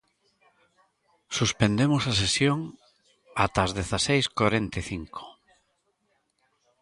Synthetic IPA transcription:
suspend̪emosasesjoŋ | at̪azðeθasejskoɾent̪eθiŋkʰo̥

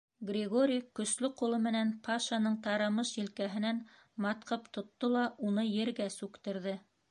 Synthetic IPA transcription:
ɡrʲɪɡoɾʲijkɵ̆slɘqulˠɤmɘ̆nænpʰɑʃɑnɤɴt̪ɑɾɑmɤʃjĭlkæɦɘ̆næn | mɑt̪qɤpt̪ŏt̪ːolˠɑʔunɤjɘ̆ɾɡæsʉkt̪ɘ̆ɾðɘ

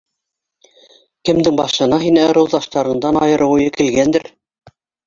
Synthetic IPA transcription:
kɘ̆md̪ɘŋbɑθʃɤ̆nɑɦinɘɤ̆ɾɤ̆wðɑʃt̪ɑɾɤ̆ɴd̪ɑnɑjɤ̆ɾɤ̆wujɤkɘ̆lɡænd̪ɘɾ

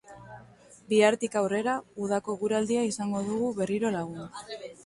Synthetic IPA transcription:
biaɾt̪ikawre̞ɾauð̞ako̞ɣuɾald̪iaisaŋɡo̞ð̞uɣuβe̞riɾo̞laɣ̞un

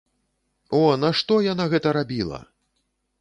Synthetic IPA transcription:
ɔnɐʂt̪ɔjanaɣɛt̪ɐɾabʲilˠɐ̰

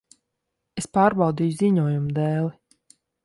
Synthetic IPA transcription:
espaːɾbɑwd̪iːjuziɲuɔjumd̪ɛːlˠi

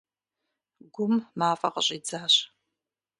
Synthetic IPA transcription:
ɡʷʊmmaːfʼɐ̰qəɕʼiːd͡zaːɕ

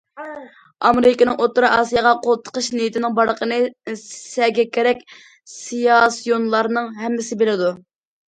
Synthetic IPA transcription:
ɑmeɾɪkʲinɨŋot̪ːɾɑɑːsijɑʁɑqʰolˠt̪ʰə̥qʰəʃnijit̪ʰɪnɪŋbɑɾəqʰənɨsɛɡʲɛkʲʰːeɾɛkʲ | sijɑsijonlˠɑɾnɨŋɦɛmːɪsɪbelɪd̪u

